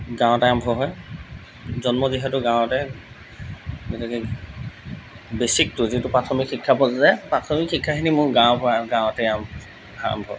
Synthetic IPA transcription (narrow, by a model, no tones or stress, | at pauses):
ɡãw̃tɛambʱɔɦɔj | zɔnmɔziɦɛtʊɡãw̃ɔtɛ | ɡɛtakɛ | besik̚tʊzitʊpɹatʰɔmikʰxikʰːapɔzzɛpɹatʰɔmikxikʰːakʰinimʊɹɡãwbɔaɡãwɔtɛam | a̰a̰mbʱɔ̰